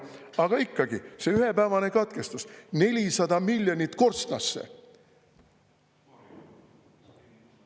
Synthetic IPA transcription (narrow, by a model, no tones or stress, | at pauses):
ɑɡ̥ɑikːɑɡise̞yɦe̞pæːvɑne̞kɑt̪ke̞st̪usne̞lʲisɑd̪̥ɑmilʲjonʲit̪ko̞rst̪nɑsːḛ